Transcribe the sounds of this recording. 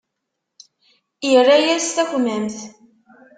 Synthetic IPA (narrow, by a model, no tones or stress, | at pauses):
jrːæjæst̪æçʷmæmθ